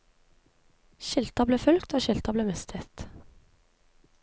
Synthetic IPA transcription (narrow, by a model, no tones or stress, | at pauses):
ʃɪlt̪ɑbleːfœlkt̪ʰoːʃɪlt̪ɑbleːmɛst̪ʰət̪